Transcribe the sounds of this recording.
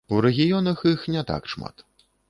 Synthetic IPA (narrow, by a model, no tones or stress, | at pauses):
uɾɛɣʲijɔnɐxixnʲɛt̪a̰kʂma̰t̪